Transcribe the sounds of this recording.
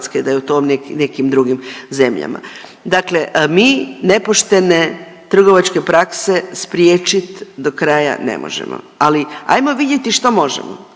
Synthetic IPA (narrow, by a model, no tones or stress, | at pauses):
sked̪ajeut̪oːmneknekimd̪ɾuɡimze̞mʎa̰ma̰ | d̪akle̞miːne̞poʃt̪e̞ne̞ | t̪r̩ɡo̞ʋat͡ʃke̞pɾakse̞spɾjeːt͡ʃit̪d̪okɾaja̰nḛmo̰ʒḛmo̰ | alia̰jmo̞ʋid̪je̞t̪iʃt̪omo̞ʒḛmo̰